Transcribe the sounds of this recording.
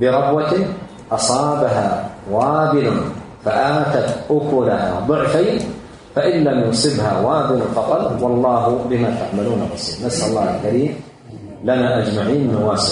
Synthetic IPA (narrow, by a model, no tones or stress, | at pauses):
bɪɾˤɑbwat̪ | ʔɑsˤɑːbaɦawaːbɪlan | faʔaːt̪at̪ʔʊkʊlahad̪ˤʊʕfajn | faʔɪnlamjʊsˤɨbhawaːbɪlafɑqɑt̪ˤwɑlˤːɑːɦʊbɪmat̪aʕmaluːnarˤːɑsiːlnasʔʊlˤːɑːhalkaɾiːm | lanaʔad͡ʒmaʕiːnnawaːsɪ